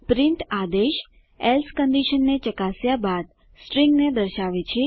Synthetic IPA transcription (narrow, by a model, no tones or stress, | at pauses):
pɾiɳʈad̪eʃ | elskəɳɖiʃənːet͡ʃəkasjabad̪̚ | sʈɾĩŋɡned̪əɾʃaʋet͡ʃʰe